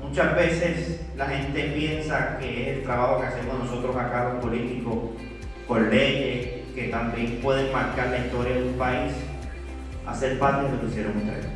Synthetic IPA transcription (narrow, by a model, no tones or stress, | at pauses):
mut͡ʃazβe̞seslahe̞nt̪e̞pje̞nsake̞ese̞lt̪ɾaβaho̞kease̞mosno̞so̞t̪ɾosakaβohpolit̪iko̞s | poɾle̞ʝes | ke̞t̪ambje̞mpwe̞ðeŋmaɾkaɾlaist̪o̞ɾjaðumpais | a̰se̞ɾpat̪jesolisjeɾoŋuk̪a̰e